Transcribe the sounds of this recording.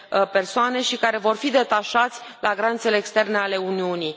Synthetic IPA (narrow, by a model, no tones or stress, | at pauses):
pe̞rsoane̞ʃikaɾe̞vo̞rfid̪e̞t̪aʃat̪sʲlaɡɾant̪seleːkst̪e̞rne̞ale̞uniunij